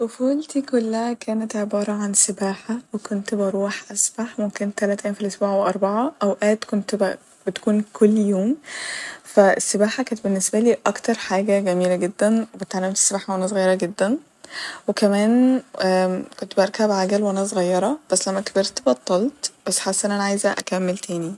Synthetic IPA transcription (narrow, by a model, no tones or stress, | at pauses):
wefuːlt̪ikolːæhækæːnet̪ʕebɑːɾˤɑʕansebæːħawekont̪bɑɾˤuːħʔæsbaħmomkent̪ælæːt̪ʔæjːæmfilʔosbuːʕweʔɑɾˤbɑʕɑʔæwʔæːt̪kont̪b | bet̪kuːnkʰolːjoːm | fæesːebaːħakænt̪benːesbæliːʔɑkt̪ɑɾˤħaːɡæɡæmiːlæɡed̪ːænebet̪ʕalːemt̪e̥sːebaːħawʔænæs̬ɣɑjːɑɾˤɑɡed̪ːæn | wekæmæːn | kont̪bɑɾˤkæbʕaɡælwʔænæsɣɑjːɑɾˤɑb̥æsːlæmːækæbeɾt̪bɑt̪ˤːɑlt̪b̥æsːħasːʔænʔænæʕajezæʔæ̰kæmːelt̪ʰæːni